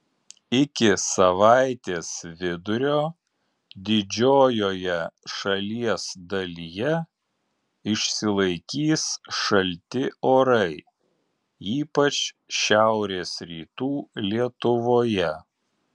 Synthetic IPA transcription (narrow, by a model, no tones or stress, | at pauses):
ɪkʲɪsɐʋɑˑɪt̪ʲeːsʋʲɪd̪ʊɾʲoː | d̪ʲɪd͡ʒʲoːjoːjɛʃɐlʲiɛsd̪ɐlʲijɛ | ɪʃʲsʲɪlˠɐɪkʲiːsʃɐlʲt̪ʲɪoːɾɐɪ | iːpɐt͡ʃ | ʃʲæˑʊɾʲeːsɾʲiːt̪uːlʲiɛt̪ʊʋoːjɛ